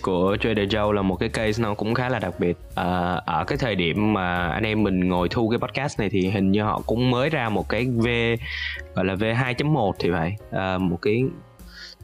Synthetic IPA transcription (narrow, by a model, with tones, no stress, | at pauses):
ku˧˩ət͡ɕwe˧nɗəː˨˩zə˧wlaː˨˩mo˨˩t̚kaː˨˦jkə˧jsnɔ˨˦kʊ̰˧˥ŋ͡mxaː˨˦laː˨˩ɗa˨˩k̚ɓi˨˩ət̚ʔəː˨˩ʔəː˧˩kaː˨˦jt̪ʰəː˨˩jɗi˧˩əmːaː˨˩ʔa̰˧ŋ̟ʔɛ˧mːï˨˩ŋ̟ŋo˨˩jt̪ʰu˧kaː˨˦jɓɔ˦˥t̚kaː˦˥st̚na˨˩jt̪ʰi˨˩ɦï˨˩ŋ̟ɲɨ˧ɦɔ̰˧˨kʊ̰˧˥ŋ͡mməː˨˦jzaː˧mo˨˩t̚kaː˨˦jve˧ɣɔ̰˧˨jlaː˨˩ve˧ɦaː˧jt͡ɕə˨˦mːo˨˩t̚t̪ʰi˨˩va̰ː˧˨jʔəː˨˩mo˨˩t̚kaː˨˦j